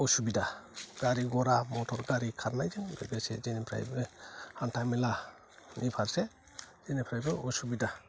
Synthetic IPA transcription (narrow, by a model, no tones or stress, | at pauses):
ɔsubidaɡ̥aɾiɡɔɾamɔtʰɔɾɡaɾikʰaɾnajd͡ʒɯŋbeɡesezenipʰɾa̰jbɯhantʰamila | nipʰaɾse | z̥enipʰɾajbɯɔsubida